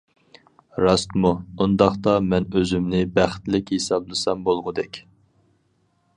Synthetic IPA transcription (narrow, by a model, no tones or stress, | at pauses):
ɾɑst̪muund̪ɑχt̪ɑmɛnøzymnɪbæχt̪lɪkʲhesɑblˠɨsɑmbolˠʁʊd̪ɛkʲ